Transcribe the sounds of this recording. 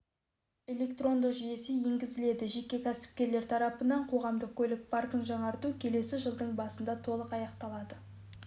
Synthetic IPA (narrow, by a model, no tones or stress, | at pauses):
e̞lʲe̞kt̪ro̞nd̪əqʒije̞sejeŋɡʲɪzɪle̞d̪ɪʒe̞kʲːe̞kʲʰæsɪ̥p̚kʲe̞ɾle̞ɾt̪ʰɑɾɑpənɑɴqʰo̞ʁɑmd̪əq̚kʲʰɵlɪk̚pʰɑrk̪əɴʒɑɴɑɾt̪ukʲʰe̞le̞sɪʒəlˠd̪əɴbɑsənd̪ɑt̪ʰo̞lˠəqɑjɑqt̪ɑlˠɑd̪ə